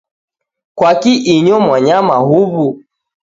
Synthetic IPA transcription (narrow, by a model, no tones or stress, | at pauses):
kwakiʔiɲɔmwaɲamaɦuβu